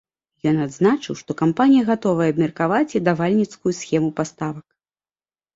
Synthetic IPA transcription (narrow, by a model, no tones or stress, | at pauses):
jɔnad̪znat͡ʂɨwʂt̪ɔkampanʲijɐɣat̪ɔvɐjɛɐabmʲɛrkavat͡sʲid̪avalʲnʲit̪skujusʲxʲɛmupast̪avɐk